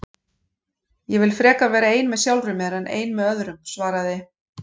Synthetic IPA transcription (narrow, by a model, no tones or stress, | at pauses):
jɛvɪlfɾɛːkavɛːɾaeːjnmɛðsjawlɾʏmɛɾanʔḛːjnmɛðœðɾʏmsvaːɾaðɪ